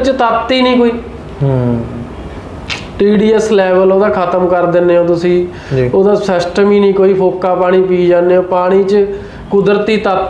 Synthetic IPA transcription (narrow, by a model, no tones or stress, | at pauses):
t͡ʃt̪ət̪ːiːnĩːkoːiː | ʈiːɖiːɛslɛːʋəloːd̪aːkʰət̪əmkəɾd̪ɪnːeːõːt̪ʊsĩː | d͡ʒiːoːd̪aːsəsʈmiːnĩːkoːiːpʰoːkaːpaːɽ̃ĩːpiːd͡ʒaːnːeːoːpaːɽ̃iːt͡ʃ | kʊd̪əɾt̪iːt̪ət̪